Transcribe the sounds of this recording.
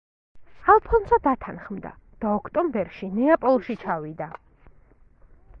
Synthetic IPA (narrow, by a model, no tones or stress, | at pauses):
alˠpʰɔnsad̪at̪ʰanχmd̪a̰ | d̪̥aɔkʰt̪ʼɔmbɛɾʃinɛapʼɔlˠʃit͡ʃʰawid̪a